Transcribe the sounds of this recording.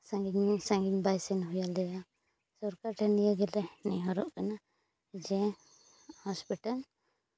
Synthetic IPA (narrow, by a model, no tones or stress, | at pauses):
sãŋɡiɲsãŋɡiɲbajsɛnɦujalɛja | sɔɾkaɾʈʰɛnijaɡɛlɛnḭɦɔɾɔʔkana | d͡ʒɛ̃ | hɔspiʈal